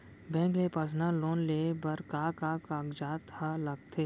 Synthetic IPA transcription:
bɛ̃ːŋklepəsnaloːnleːbɐɾkaːkakaːɡd͡ʒaːt̪alɐɡ̚t̪ʰeː

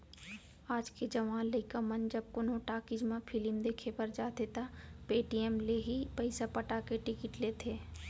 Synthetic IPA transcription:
aːd͡ʒked͡ʒɐʋaːnlːəɪkamənd͡ʒɐb̚kʊnõʈaːkɪd͡ʒmãpʰɪlɪmd̪eːkʰepəɾd͡ʒaːt̪et̪apeːʈijɛmleɦipəɪsapəʈakeʈɪkɪʈleːt̪ʰeː

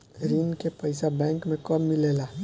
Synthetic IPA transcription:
ɾinkepəɪsabɛ̃ːŋkmẽkəmːɪleːlaː

